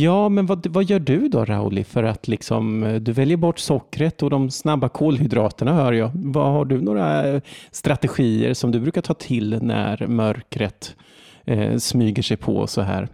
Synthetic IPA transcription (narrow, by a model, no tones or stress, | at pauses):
jɑːmɛnvavajœːɖɵd̪ɔ̰ɾa̰ʊlɪ̰fœɾat̪ʰlɪksɔ̰md̪ɵvɛljəɾbɔʈːsɔkːɾət̪ɔd̪ɔmsnabːakʰoːlhʏd̪ɾɑːt̪əɳahœːɾjɑːvahaɖɵnoːɾast̪ɾat̪ɛɧiːə̰ɾsɔmd̪ɵbɾʉ̟ːkaʈʰɑːt̪ʰɪlnæ̰ɾmœɾkɾət̪ | smyːɡəʂɛjpʰɔ̰sɔɦæ̰ːɾ